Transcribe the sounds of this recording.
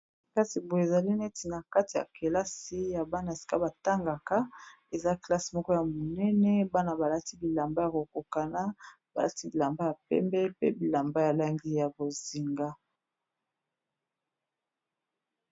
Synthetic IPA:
ka˦si˨bo˨e˨za˨li˦nɛ˦ti˨na˨ka˦ti˨ja̰˨ke˨la˦si˦ja˨ba˦na˨e˨si̥˨ka˦ba˨ta˦ŋɡa˨ka˦ | e˨za˦kla˦si˨mɔ˦kɔ˦ja˨mo˨nɛ˦nɛ˦ba˦na˨ba˨la˦ti˦bi˨la˨mba˦ja˨ko˨ko˨ka˨na˦ba˨la̰˦ti˦bi˨la˨mba˦ja˨pɛ̰˦mbɛ˦pe˦bi˨la˨mba˦ja˨la˦ŋɡi˦ja˨bo˨zi˨ŋɡa˦

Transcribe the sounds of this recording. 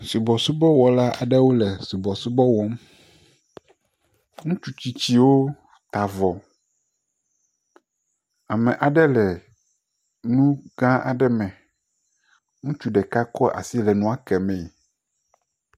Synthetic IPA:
su˨bɔ˨su˦bɔ˦wɔ˨la˦ʔa˨ɖɛ˦wo˦lɛ˨su˨bɔ˨su˦bɔ˦wɔ˦m | ŋũ˦t͡ʃu˦t͡ɕi˦t͡ɕi˦wo˦ | t̪a˨vɔ˨ | a˨mɛ̃˨ʔa˨ɖɛ˦lɛ˨ | nũ˦ɡã˦ʔa̰˨ɖɛ˦mɛ̃˨ | ŋũ˦t͡ʃu˦ɖɛ˨ka˦kɔ˦ʔa̰˨si˦lɛ˨nũ˨˦a˦kɛ˨mɛ̃˨

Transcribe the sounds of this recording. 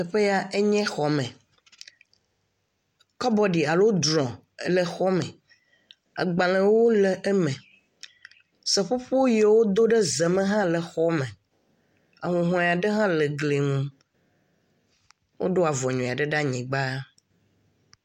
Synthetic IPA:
ɛ˨ɸe˦ja˦˨ʔe˦ɲɛ̃˦xɔ˨mɛ̃˨ | kɔ˦bɔ˦ɖi˨a˨lo˦d̪ɾɔ̃˨˦ | lɛ˨xɔ˦mɛ̃˨ | a̰˨ɡ͡bã˨lɛ̃˨wo˦lɛ˨ʔɛ˦mɛ̃˨ | sɛ˨ɸo˦ɸo˦je˨wo˦d̪o˦ɖe˦ze˨mẽ˦ɦã˦lɛ˨xɔ˦mɛ̃˨ | a̰˨ŋũ˨ɦɔ̃˨a˨ɖe˦ɦã˦lɛ˨ɡle˨ŋũ˦ | wʔo̰˦ɖo˦a˨vɔ˨ɲɔ̃˨a˨ɖe˦ɖa˦ɲĩ˨ɡ͡ba˦

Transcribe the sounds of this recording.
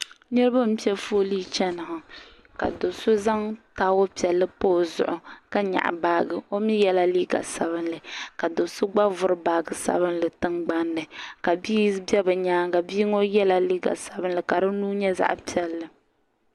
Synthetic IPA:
nɨ˦ɾɨ˦ba˦m̩˦pi˦ɛ˦fo˦li˦t͡ʃɛ˦nɨ˨hɨ˨ | ka̰˨do˨so˦za˦ŋtaː˦o˦pi˨ɛ˨lːɨ˦poː˦zʊ̰˨ʔʊ˨ka˦ɲa̰˨ʔbaː˦ɡɨ˨o˦mi˦jɛ˦la˦liː˦ɡa̰˨sa˨βɨ˦nlɨ˨ka˨do˨sʊ˦ɡ͡ba˦vʊ˦ɾɨ˦baː˨ɡɨ˨sa̰˦βɨ˦nlɨ˨tɨ˦ŋɡ͡ba˦nːɨ˨ka˨biː˦bɛ˦bɨ˨ɲaː˦ŋka˨biː˦ŋo˦jɛ˦la˨liː˦ɡa̰˨sa˨bɨ˦n˦lɨ˨ka˨ɾɨ˦nuː˦ɲɛ˦za̰˦ʔpi˦ɛ˨lːɨ˨

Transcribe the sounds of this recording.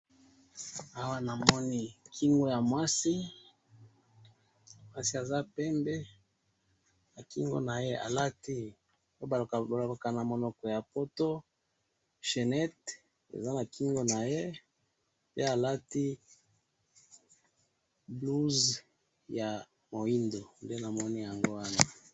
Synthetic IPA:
a˦wa˦na˨mɔ˦ni˦kʰi˦ŋɡo˦ja˨mwa˦si˦ | mwa˦si˦a˨za˦pɛ˦mbe˦ | na˨ki˦ŋɡo̰˦na˨je˦ʔa̰˨la˦ti˦ | o˦ba˨lo˨ka˨na˨mo˨nɔ˨kɔ˨ja˨po˦to˦ | ʃe˨nɛ˦t | ḛ˨za˦na˨ki˦ŋɡo˦na˨je˦ | pe˦a˨la˦ti˦ | blu˦z | ja˨ | mo˨i˦ndo˨nde˦na˨mɔ˦ni˦ja˨ŋɡo˦wa˦na˦

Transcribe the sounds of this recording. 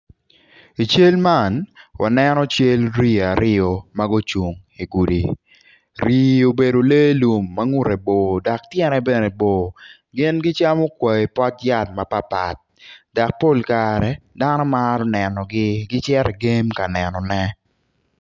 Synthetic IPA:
i˨t͡ʃe˦lma˦˨nwʔa̰˨nɛ˦nɔ˦t͡ʃe˦lɾi˦a˨ɾɪ˦ɔ˨ma˦ɡo˦t͡ʃu˨ŋ | i˨ɡu˨di˨ | ɾi˨o˨be˨do˨le˦lu˨mːa˦ŋu˦ɾɛ˨bo˨da˨k̚tjɛ˦nɛ˨bɛ˦˨nɛ˨bo˨ | ɡɪ˦nɡɪ˦t͡ʃa˦mɔ˦kwɛ˨i˨pɔ˦tja˦˨t̚ma˨pa˦pa̰˨t̚da˨k̚po˦˨lkaɾɛ˨da˦nɔ˦maɾɔ˦nɛ˨nɔ˨ɡɪ˦ɡɪ˦t͡ʃɛ˦ɾɛ˨ɡe˦mka˨nɛ˨nɔ˨nɛ˦

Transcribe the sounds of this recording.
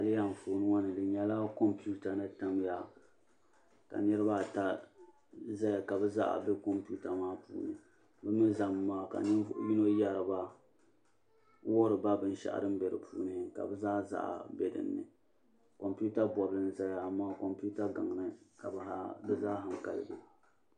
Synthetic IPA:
a˨li˦ja˦ɱ˨foː˨nɨ˦wa˦nɨ˨dɨ˨ɲɛ˦la˦ko˦mpu˦ta˨nɨ˦ta˦m˦ja˦ | ka̰˨nɛ˦ɾɨ˦ba˦˨ta˦ | za˦ja˨ka˨bɛ˦za̰˦ʔa̰˨bɛ˦ko˦mpu˦ta˨maː˦pṵː˨nɨ̰˨ | bɛ˦mɨ˦za˨mː˦aː˦˨ka̰˨n˦ji˦no˦ja˨ɾɨ˨ba˦ | wʊ˦hʊ˦ɾɨ˨ba˦bɨ˦n˦ʃa̰˦˨ʔa̰˨ɾɨ˦m̩˦bɛ˨ɾɨ̰˨pʰṵː˦nɨ˨ka̰˨bɛ˦zaː˦za̰˦˨ʔa̰˨bɛ˨dɨ̰˨nːɨ̰˨ | ko˨mpu˦ta˦bɔ˨blɨ˨n̩˨za˦ja˨maː˦ko˨mpu˦ta˦ɡa˨ŋ˨nɨ˦ka˨bha˦bɨ˦˨zaː˦ɦa˨ŋ˨ka̰˨lɨ̰˨ɡɨ̰˨

